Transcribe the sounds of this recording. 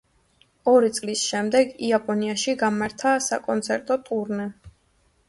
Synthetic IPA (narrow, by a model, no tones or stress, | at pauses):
ɔɾit̪sʼlisʃɛmd̪ɛɡiapʼɔniaʃiɡamaɾt̪ʰasa̰kʼɔnt̪sʰɛɾt̪ʼɔt̪ʼuɾnɛ